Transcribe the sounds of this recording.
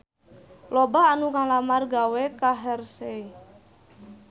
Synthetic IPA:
lɔbaːnukaŋlamarɡawekaɦɛrse

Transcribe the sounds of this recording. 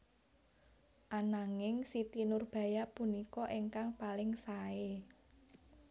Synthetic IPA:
ʔanaŋɪŋsit̪inʊrb̥ä̤japunikɔʔeŋkaŋpalɪŋsae

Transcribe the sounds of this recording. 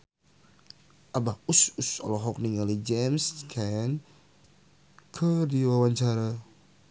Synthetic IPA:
ʔabahususɔ̰lɔɦɔk̚niŋalid͡ʒɛmskʰɛn | kʰədiwawaɲt͡ʃaɾa

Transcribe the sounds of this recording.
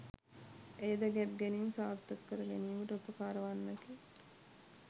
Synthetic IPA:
ejd̪ɐɡæb̚ɡæniːnsaːɾt̪əkːəɾəɡæniːʋəʈəupəkaːɾəʋanːəki

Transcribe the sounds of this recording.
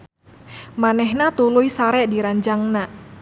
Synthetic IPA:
manɛɦnat̪ulujsaɾɛʔdiɾaɲd͡ʒaŋna

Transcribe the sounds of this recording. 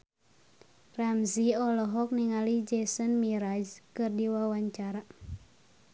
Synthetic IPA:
ramziɔlɔɦɔk̚niŋalid͡ʒɛsənmiɾad͡ʒkɨrdiwawaɲt͡ʃaɾa

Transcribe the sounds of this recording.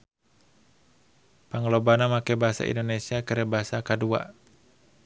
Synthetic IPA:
paŋlobanamakebaɦasa̰ḭndonesiakəɾɛbaɦasakadua̰

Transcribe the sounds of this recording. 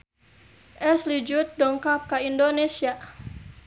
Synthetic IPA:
ʔɛslid͡ʒut̪̚dɔŋkap̚kaindonesia

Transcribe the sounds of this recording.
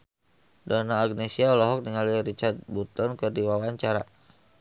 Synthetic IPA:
danaːɡnesiaɔlɔɦɔk̚niŋaluɾit͡ʃart̪̚but̪ɔnkɨrdiwawaɲt͡ʃaɾa̰

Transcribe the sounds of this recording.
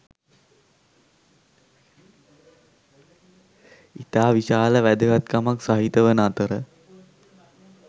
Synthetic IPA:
it̪aːʋiɕaːləʋæd̪əkat̪kamaksaɦit̪əʋənəat̪əɾə

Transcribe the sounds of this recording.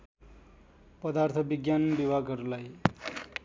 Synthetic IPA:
pʌd̪art̪ʰʌbiɡjanbibʱaɡʌɾulaj

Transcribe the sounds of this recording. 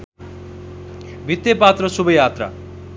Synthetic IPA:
bʱit̪jʌpat̪rʌsubʌjat̪ra̰

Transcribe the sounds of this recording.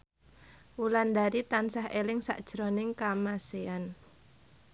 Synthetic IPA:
wuland̪aɾit̪ansaɦelɪŋsa̰ʔd̥ʒ̥ɾɔnɪŋkamasean

